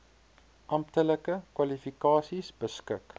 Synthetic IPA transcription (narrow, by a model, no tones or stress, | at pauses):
ʔɐmptələkəkwɐlifikɑːsisbəskək